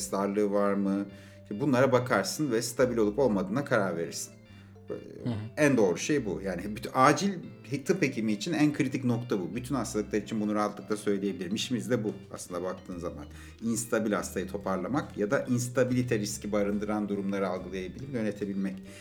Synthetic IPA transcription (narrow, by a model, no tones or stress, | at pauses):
st̪ʰaɾlˠɯːvaɾmɯ | ibunlˠaɾabakʰaɾsɯnvɛst̪ʰabilʲo̞lˠupo̞lˠmad̪ɯːnakʰaɾaɾve̞ɾḭɾsi̥n | ænd̪o̞ːɾuʃe̞jbujaːnibyaːd͡ʒilʲ | t̪ʰɯphe̞cʰimiːt͡ʃʰinænkʰɯɾit̪ʰicno̞kt̪ʰabubyt̪ʰynhast̪ʰalˠɯklˠaɾit͡ʃʰinbunuɾaɦat̪lˠɯkt̪asø̞jlʲeje̞bilʲiɾmiʃimizd̪ɛbua̰slɯnd̪abak̚t̪ʰɯːnzama̰n | inst̪ʰabilʲha̰st̪ʰajɯt̪ʰo̞pʰaɾlˠamakjad̪aʔinst̪ʰabilʲit̪ʰɛɾiscibaɾɯnd̪ɯɾand̪uɾumlˠaɾɯalˠɡɯlˠajebilʲimjø̞ne̞t̪ʰe̞bilʲmɛc